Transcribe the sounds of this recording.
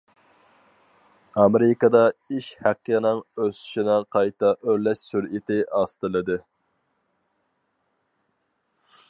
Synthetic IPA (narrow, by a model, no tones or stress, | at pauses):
ɑmeɾɪkɑd̪ɑiʃhæqːənɨŋøsy̥ʃinɪqʰɑjt̪ɑʔøɾlɛʃsyɾit̪ʰɪʔɑst̪ɨlˠɨd̪ɨ